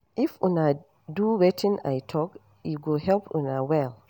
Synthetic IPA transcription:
ʔifʔuna | duwɛtĩna̰jtʰɔk | iɡohɛlpṵnawɛl

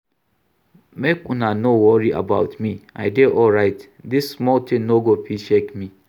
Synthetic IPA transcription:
mekũnanowɔɹiʔa̰baʊtmia̰ɪdeʔɔlɹaɪt | disːmɔltʰɪ̃nnoɡopʰiʃekmi

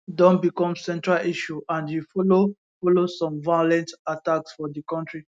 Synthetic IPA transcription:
dɔ̃nbikɔ̃msɛ̃ntɹaliʃuãnjufɔlo | fɔlosɔ̃mvajolɛ̃ntataksfɔdikɔ̃ntɹi

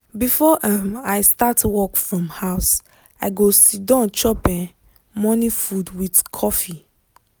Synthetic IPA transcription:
bifɔʔamajstatwɔkfɹɔ̃mhaʊs | aɪɡosidãnt͡ʃɔpɛ̃ | mɔnifudwidkʰɔfi

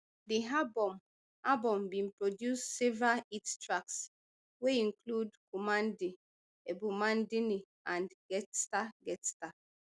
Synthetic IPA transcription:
diɦabɔm | abɔ̃mbĩnpɹɔdjusːevɹaitstʰɹaks | weĩnkludkʰɔmãndi | ɛbumãndini | ʔãnɡɛtstaɡɛtsta

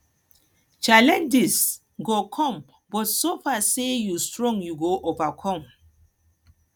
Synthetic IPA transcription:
t͡ʃalɛ̃nd͡ʒis | ɡokʰɔ̃m | bɔtsofasejustɹɔ̃ŋjuɡoʔovakʰɔ̃m

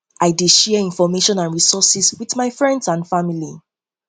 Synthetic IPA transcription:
ʔaɪdeʃɛĩnfɔmeʃɔ̃nãnɹisɔsiswiðmaɪfɹɛ̃ndsãnfamili

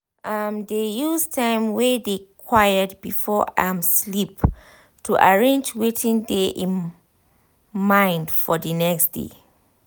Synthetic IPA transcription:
ʔamdejustʰãɪ̃mwɛdekʰwajəd̚bifɔãmslip | tʰuʔaɹẽnd͡ʒwetʰĩŋdeʔĩn | mãɪ̃ndfɔdənɛksd̥ḛ

